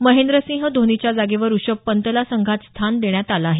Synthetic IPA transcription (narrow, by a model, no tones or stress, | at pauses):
məɦend̪ɾəsĩŋɦəd̪ʱonit͡ɕjad͡zaɡeʋəɾuɕəbpənt̪əlasəŋɡʱat̪st̪ʰand̪eɳjat̪alaːɦe